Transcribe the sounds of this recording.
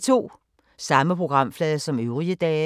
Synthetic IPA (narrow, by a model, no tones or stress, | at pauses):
t͡sʰo̝̰ː | sɑ̈məpʰʁo̝ɡ̥ʁɑ̈m̰flɛːðˠɐsɒ̽møʊʁiəd̥ɛː